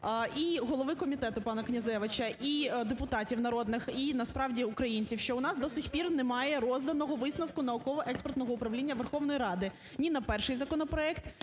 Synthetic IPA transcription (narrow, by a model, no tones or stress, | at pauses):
iɦɔlˠɔʋɪkɔmʲit̪ɛt̪ʊpɑnɐknʲɐzɛʋɐt͡ʃɐʔid̪epʊt̪ɑtʲiwnɐɾɔd̪nɪxinɐspɾɑwdʲiʊkɾɐjinʲt͡sʲiwʃt͡ʃɔʊnɑsd̪ɔsʲixʲpʲirnɛmɑjɛɾɔzd̪ɐnɔɦɔʋɪsnɐwkʊnɐɔkɔʋɔʔɛkspɔrt̪nɔɦɔʊpɾɐʋlʲinʲːɐʋerxɔʋnɔjɾɑd̪ɪ | nʲinɐpɛrʃɪjzɐkɔnɔpɾɔɛkt̪